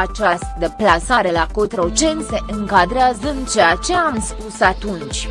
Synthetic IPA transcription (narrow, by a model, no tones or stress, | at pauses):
at͡ʃast̪d̪əplasaɾe̞lakot̪ɾo̞t͡ʃe̞nseʔɨŋkad̪ɾeazəɨnt͡ʃeat͡ʃe̞amspusat̪unt͡ʃʲ